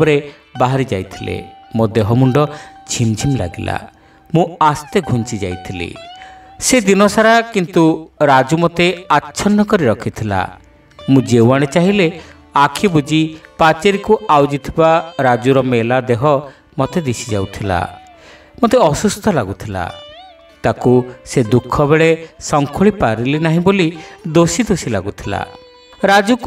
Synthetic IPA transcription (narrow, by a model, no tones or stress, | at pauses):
ɔɾe | baɦaɾid͡ʒajt̪ʰilḛmod̪eɦɔmuɳɖɔd͡ʒʰimd͡ʒʱimla̰ɡila̰ | mũast̪eɡʱunt͡ʃid͡ʒajt̪ʰilḛ | sed̪inɔsaɾakint̪uɾad͡ʒumot̪eatːʃʰɔnːɔkɔɾiɾɔkʰit̪ʰila̰ | mũd͡ʒewaɽ̃et͡ʃaɦile | akʰibud͡ʒipat͡ʃeɾikuawd͡ʒit̪ʰibaɾad͡ʒuɾɔmelad̪eɦɔ | mɔt̪ed̪isid͡ʒa̰wt̪ʰila̰ | mot̪eɔsust̪ʰɔlaɡut̪ʰila̰ | t̪akused̪ukʰːɔbeɭesɔŋkʰuɭipaɾilenaɦĩbolid̪osid̪osila̰ɡut̪ʰila̰ | ɾad͡ʒuk